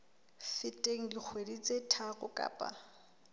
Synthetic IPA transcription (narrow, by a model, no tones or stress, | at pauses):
fɪtʼeŋ̩ɡik͡xʰwedit͡sʼetʰaɣʊkʼa̰ːpʼa̰